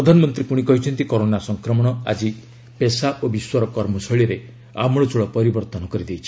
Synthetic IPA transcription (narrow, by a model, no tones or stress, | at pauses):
ɾɔd̪ʱanɔmɔnt̪ɾipuɽ̃ikɔɦit͡ʃʰɔnt̪ikɔɾonasɔŋkɾɔmɔɽ̃ɔa̰d͡ʒi | pesaʔobiswɔɾɔkɔɾmɔsɔɭiɾe | a̰mɔɭɔt͡ʃuɭɔpɔɾibɔɾt̪ɔnɔkɔɾid̪ejt͡ʃʰi̥